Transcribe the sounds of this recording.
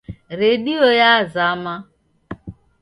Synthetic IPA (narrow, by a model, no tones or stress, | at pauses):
ɾediojazama